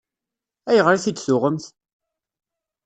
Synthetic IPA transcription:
æjəʁɾæθid̪θʊʁəmθ

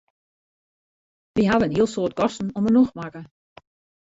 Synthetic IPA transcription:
ʋiɦaʋənɦiəlˠsoət̚kɔstn̩ɔmənoxmakə

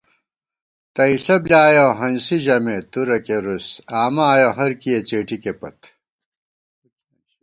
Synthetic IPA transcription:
t̪ɐiɬɐblʲaːjoɦɐnsiʑɐmet̪uɾɐkeɾusaːmaːjoɦɐɾkijet͡ɕeːʈikepɐ̰t̪

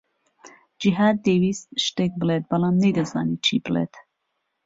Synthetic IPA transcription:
d͡ʒiɦaːd̪ːeːwiːst̪̚ʃt̪eːk̚bɨleːt̪̚bɐlaːmnejd̪ɐza̰ːniːt͡ʃʰiːbɨlḛːt̪

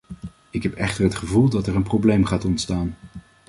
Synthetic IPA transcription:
ɪkɦɛpɛ̰χtəɹɦətχəvulˠdɑtɛɹənprowblejmχaːtɔntstaːn

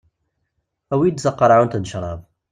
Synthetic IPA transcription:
æwid̪zɑqːɑɾˤɑʕunt̪ənʃɾˤɑðˤ

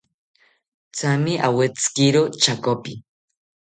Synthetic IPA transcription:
t͡sʰamiʔawet͡sɨ̥kiɾot͡ʃʰakopi

